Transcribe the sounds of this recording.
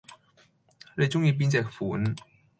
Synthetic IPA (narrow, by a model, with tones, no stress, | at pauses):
le˧jt͡sʊ˥ŋjiː˧p̬i˥nt͡sɛː˨˩k̚fu˨˩˦n